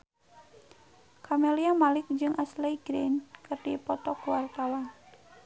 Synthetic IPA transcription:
kʰameliamalɪk̚d͡ʒɨŋʔasliɡɾinkɨrdipɔt̪ɔkuwart̪awan

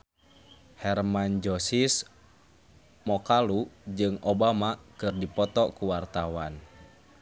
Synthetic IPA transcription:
hɛrmand͡ʒɔsis | mɔkalud͡ʒɨŋobamakɨrdipɔt̪ɔkuwart̪awan

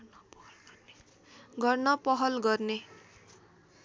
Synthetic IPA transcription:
nplne | ɡʌrnʌpʌɦʌlɡʌrne

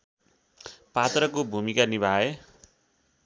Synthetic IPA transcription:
pat̪rʌkobʱumikanibʱae

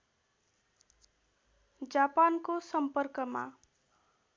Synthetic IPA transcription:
d͡zapankosʌmpʌrkʌma̰

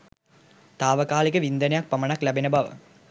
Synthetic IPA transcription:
t̪aːʋəkaːlikəʋind̪ənejak̚pɐmənaklæbenəbaʋə̰

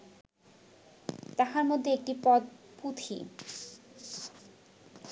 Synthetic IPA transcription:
t̪aɦaɾmod̪ʱːeek̚ʈipɔd̪̚put̪ʰḭ

